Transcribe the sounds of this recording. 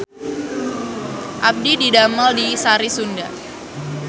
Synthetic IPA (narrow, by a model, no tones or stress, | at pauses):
ʔab̚dididaməldisaɾisunda